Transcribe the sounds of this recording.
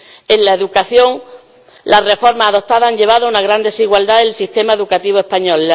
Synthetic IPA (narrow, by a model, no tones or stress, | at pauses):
enlaeðukaθjõ̞ŋ | lare̞fo̞ɾmasaðo̞t̪aðaaɲʎe̞β̞aðoaunaɣ̞ɾand̪e̞siɣwald̪aðelsist̪e̞maeðukat̪iβ̞oe̞hpaɲol